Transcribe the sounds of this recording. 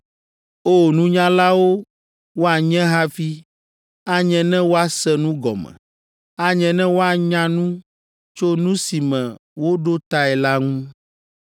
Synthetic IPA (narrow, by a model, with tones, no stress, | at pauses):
o˦nũ˦ɲã˦la˦wo˦ | wo˦a˨ɲɛ̃˦ɦa˦fi˦ | a˦ɲɛ̃˨nɛ̃˦wo˦a˨sɛ˦nũ˦ɡɔ̰˨mɛ̰̃˨ | a˦ɲɛ̃˨nɛ̃˦wo˦a˨ɲã˦nũ˦ | t͡ʃo˦nũ˦si˨mɛ̰̃˨wo˦ɖo˦t̪a˦ɛ˨la˦ŋũ˦